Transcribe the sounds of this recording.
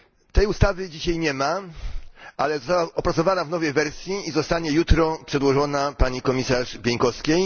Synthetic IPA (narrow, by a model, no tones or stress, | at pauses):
t̪ɛjust̪avɘd͡ʑiɕajɲɛma | ʔalɛzɔst̪awaʔɔpɾatsɔvanavnɔvɛjvɛɾsʲjiizɔst̪aɲɛjut̪ɾɔpʂɛd̪wɔʐɔnapaɲikɔmʲisaʐbʲjeɲkɔskʲej